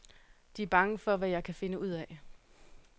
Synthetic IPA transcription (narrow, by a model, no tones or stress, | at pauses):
d̥iæɐb̥ɑ̈ŋəfɒ̽ʋæjɑ̈ɪkʰæfe̝nəuð̞̰ˠɛ